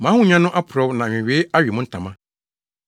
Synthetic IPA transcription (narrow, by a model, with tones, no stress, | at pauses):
mã˨˦hʊ̃˦ɲã˦nʊ̃˦ʔa˦pʰʊ˨ɾɔ˦wnã˨ɪ̃˨ɥeː˦a˦ɥi˨mʊ̃˦n̩˦tʰã˨mã˦